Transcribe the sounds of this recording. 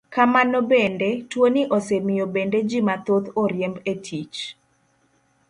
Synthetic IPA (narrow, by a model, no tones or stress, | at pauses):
kamanɔbendetwonɪʔosemɪjobended͡ʒimat̪ot̪oɾjembetʰit͡ʃ